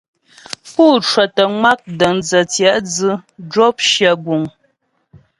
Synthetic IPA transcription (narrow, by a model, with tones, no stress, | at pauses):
puː˦˨t͡ʃwə˨tə˨ŋa˦k̚də˨nd͡zə˨t͡sja˨˦ʔd͡zɨ˦d͡ʒɔ˦p̚ʃjə˨ɡu˨ŋ